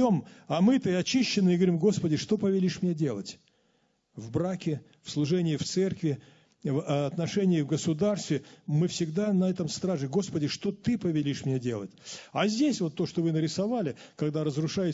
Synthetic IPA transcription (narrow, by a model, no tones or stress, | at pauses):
omɐmɨt̪ɨɐt͡ɕiɕːɪnːɨɪɡəvɐɾʲimɡo̞spədʲɪʂt̪o̞pəvʲɪlʲiʂmnʲedʲe̞lˠə̰tʲ | vbɾakʲɪ | fslˠʊʐɛnʲɪːft̪sɛrkvʲɪ | vɐt̪nɐʂɛnʲɪjɪvɡəsʊd̪arst̪vʲɪmɨfsʲɪɡd̪anɐɛt̪əmst̪ɾaʐɨɡo̞spədʲɪʂt̪o̞t̪ɨpəvʲɪlʲiʂmnʲedʲe̞lˠə̰tʲazʲdʲesʲvo̞t̪ːo̞ʂt̪ovɨnəɾʲɪsɐvalʲɪkɐɡd̪aɾəzrʊʂajɪ